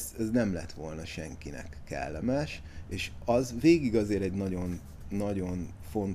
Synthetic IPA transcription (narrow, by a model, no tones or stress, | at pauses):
zɛznɛmlɛ̰t̪ʋo̞lnɒʃɛ̰ŋkinɛ̰kːɛ̰lːɛmɛʃ | eːʃɒzveːɡiɡɒzeːɾɛɟnɒɟo̞nː | ɒɟo̞n | fo̞nt̪